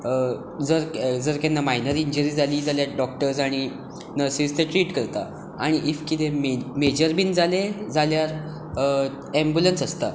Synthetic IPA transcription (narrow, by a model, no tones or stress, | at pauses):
d͡zəɾd͡zəɾkɛ̃nːamajnəɾiɲd͡ʑəɾiːd͡zaliːd͡zaljaɖɔk̚ʈəɾsaɽ̃i | nəɾsist̪eʈɾiːʈkəɾt̪a | aɽ̃iʔifkit̪ememed͡ʑəɾbiːnd͡zaled͡zaljaɾ | ɛ̃mbjulənsəst̪a̰